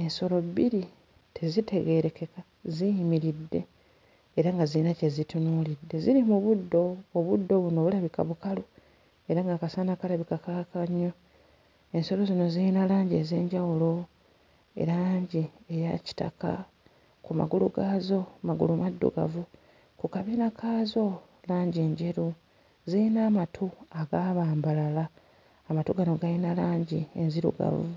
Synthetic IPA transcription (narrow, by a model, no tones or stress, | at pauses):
e̞nso̞lo̞biɾi | tʰe̞zitʰe̞ɡe̞ɾe̞ke̞ka | zijimiɾidːe̞̰ː | ɾaŋɡazinace̞zitunuːlidːe̞ziɾimuβudːo̞ːβudːo̞βuno̞ːβulaβika̰βukalu | e̞ɾaŋɡaːkasanakalaβikakakaɲːo̞ | e̞nso̞lo̞zino̞ziinalaːɲɟieze̞ːɲɟawulo̞ | e̞̰ɾaaːɲɟiejaci̥ta̰ka̰ | kuma̰ɡuluɡaːzo̞maɡṵlumadːṵɡa̰vu | kukaβiːnakʰaːzo̞ | laːɲɟiɲɟeɾu | ziinaːmatʰuaɡaβaːmbalalaː | matuɡanoɡajinalaːɲɟienziɾṵɡa̰vṵ